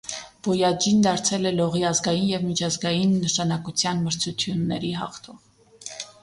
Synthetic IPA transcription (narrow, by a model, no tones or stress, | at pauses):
b̥ɔjɑd͡ʒind̪ɑɾt͡sʰɛlɛlɔʁiɑzɡɑjinjɛvmit͡ʃʰɑzɡɑjinːəʃɑnɑkut͡sʰjɑnməɾt͡sʰut͡sʰjunːɛ̰ɾiɦɑ̰χt̪ʰɔv